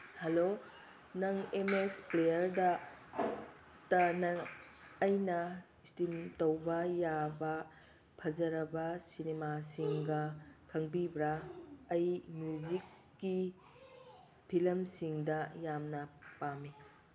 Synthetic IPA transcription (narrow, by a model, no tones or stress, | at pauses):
hɐlo | nɐŋemesplejɐɾdɐ | tɐnɐŋː | jnɐ | istimtɐwbɐjabɐ | pʰɐzɐɾɐbɐsinemasiŋɡɐkʰɐŋbibɾaːjmjuzikː | i | pʰilɐmsiŋdɐjamnɐpami